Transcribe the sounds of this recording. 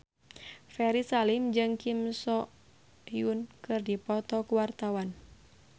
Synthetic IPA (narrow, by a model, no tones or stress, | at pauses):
fɛɾisalimd͡ʒɨŋkimsɔ | junkɨrdipɔt̪ɔkuwart̪awan